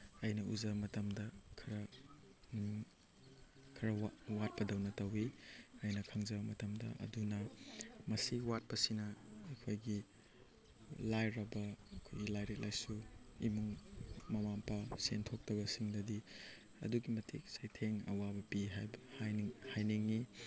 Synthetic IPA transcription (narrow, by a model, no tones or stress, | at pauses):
ɐjnɐuzɐbɐmɐtɐmdɐkʰɐɾɐ | kʰɐɾɐawat̚pɐdɐwnɐtɐwiɐjnɐkʰɐŋzɐbɐmɐtɐmdɐ̰ʔɐ̰dunɐmɐsiwat̚pɐsinɐekʰojɡi | lajɾɐbɐːkʰojɡilajɾek̚lʔajsuḭmuŋmɐmampʰɐsentʰok̚tɐbɐsiŋdɐdi | ɐ̰duɡimɐtʰḭk̚sajtʰeŋɐ̰wabɐpiɦajbɐhhajniŋːi